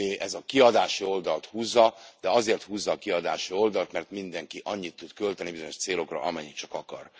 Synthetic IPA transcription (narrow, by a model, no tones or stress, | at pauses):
eʔɛzɒkiɒd̪aːʃio̞ld̪ɒlt̪huːzːɒd̪̥ɛɒzeːrt̪huːzːɒːkiɒd̪aːʃio̞ld̪ɒlt̪mɛrt̪mind̪ɛŋkiʔɒɲːit̪ːut̪kølt̪ɛnibizo̞ɲo̞ʃt̪seːlo̞krɒ̰ʔɒmɛɲːikt͡ʃɒkɒkɒ̰r